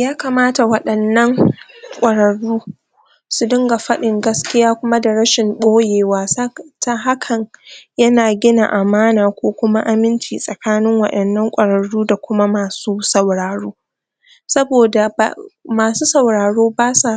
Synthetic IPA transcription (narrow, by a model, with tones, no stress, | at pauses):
jaː˦kaː˨maː˦ta˨wɐ˦ɗɐ˨nːɐ˦ŋkʷʼɐ˨ɽɐ˨ɽuː˦ | su˨dʊ˦ŋɡa˨ɸɐ˦ɗɪ˨ŋɡɐ˦skʲɪ˦jaː˦kʷʊ˦ma˦da˨ɽɐ˦ʃɪ˨mɓoː˦jeː˨waː˦ta˦ɦa˦kʰɐ˨ɲjɐ˦naː˨ɡʲɪ˦na̰˨ʔa˨maː˦naː˨kʷoː˦kʷʊ˦ma˦ʔa˨mɪ˦nt͡ʃiː˨sʼɐ˨kaː˦nɪ˦ŋwɐ̰˨ɗɐ˨nːɐ˦ŋkʷʼɐ˨ɾɐ˨ɽuː˦da˨kʷʊ˦ma˦maː˨suː˦sɐ˨wɽaː˨ɽoː˦ | sɐ˦boː˨da˨b̰maː˨suː˦sɐ˨wɽaː˨ɽoː˦baː˦sa˨